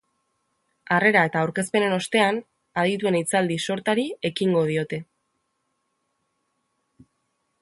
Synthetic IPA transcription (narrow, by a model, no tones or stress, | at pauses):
are̞ɾae̞t̪aːwɾke̞spe̞ne̞no̞st̪e̞an | aðit̪ue̞nit͡sald̪iso̞ɾt̪aɾie̞kiŋɡo̞ð̞io̞t̪e̞